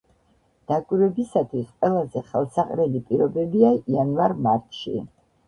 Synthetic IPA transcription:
d̪̥akʼwiɾwɛbisat̪ʰwisqʼwɛlˠazɛχɛlˠsaqʼɾɛlipʼiɾɔbɛbiaianvaɾmaɾt̪ʰʃḭ

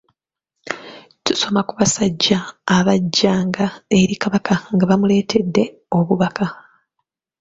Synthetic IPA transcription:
tuso̞makuβasaɟːaːβaɟːaːŋɡae̞ɾikaβakʰaŋɡaβamule̞ːtʰe̞dːe̞ | o̞βuβakʰa

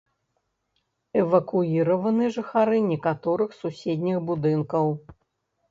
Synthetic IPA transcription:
ɛvɐkuiɾɐvɐnɨjʐɨxaɾɨnʲɛkat̪ɔɾɨxsusʲed̪ʲnʲixbud̪ɨnkɐw

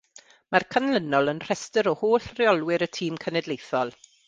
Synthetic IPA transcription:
markʰanlənɔlˠənr̥ɛstəɾɔhoːɬrɪɔlˠwɪɾətʰiːmkʰənɛdlˠejθɔlˠ

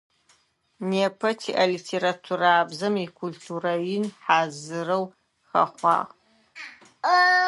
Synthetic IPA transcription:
niapʰɐtʰiʔalitʰeɾatʰuɾaːbzɨmikʷʰultʰurainħazɨrow | χa̰χʷa̰q

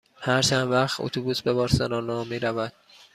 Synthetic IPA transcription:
hæɾt͡ʃʰænd̪væχt̪o̰t̪ʰubuːsbe̞bɒːɾsænɒːnɒːmiːɾævæd̪̥̚

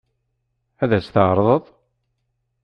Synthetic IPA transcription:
æðæsθəʕɾˤðˤəðˤ

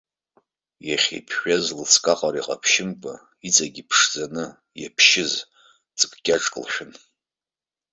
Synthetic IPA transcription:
jaχʲḛpʰʃazlɨskʼaqʼaɾiqʼa̰pʰʃɪmpʼa | it͡sʼaɡʲipʰʂd͡zanɨ | japʰʃɪz | t͡sʼɨpʰkʲʼaʈ͡ʂʼkʼlʃᶣɪn

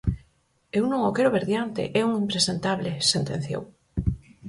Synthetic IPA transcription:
ewnõŋokeɾoβeɾðjant̪ḛʔɛuŋimpɾesent̪aβlesent̪en̟θjo̰w

